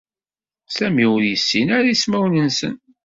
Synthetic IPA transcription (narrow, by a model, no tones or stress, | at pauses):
sæmiʊɾjəsːinaɾæismæwnənsə̰n